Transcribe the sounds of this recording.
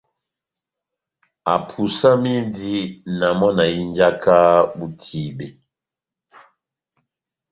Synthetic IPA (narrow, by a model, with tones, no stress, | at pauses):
a̰˨pʰu˨sa˦mi˦ndi˦na˨mɔ˦na˨i˦nd͡ʒa˦kʰa˦bu˦tʰi˨bɛ˨